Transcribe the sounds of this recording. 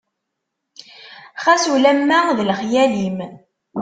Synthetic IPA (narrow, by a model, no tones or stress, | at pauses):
χæsulæmːæðlχjælim